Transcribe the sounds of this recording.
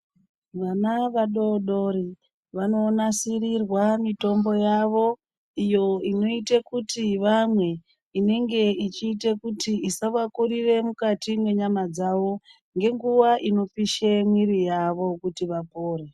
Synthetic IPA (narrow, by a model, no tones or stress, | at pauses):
ʋanaʋaɗo̞ɗo̞ri | ʋano̞ːnasirirwamito̞mbo̞jaʋo̞ | ijo̞ino̞itekutiʋamwe̞ | ine̞ŋɡe̞it͡ʃiːtekutiisaʋakuɾire̞mukatimwe̞ɲamad͡zaʋo̞ | ŋɡe̞ŋɡuʋaʔino̞fiʃemwirijaʋo̞kutiʋapoːre